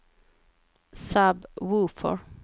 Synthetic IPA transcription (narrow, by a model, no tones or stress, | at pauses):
sabwuːfɔ̰ɹ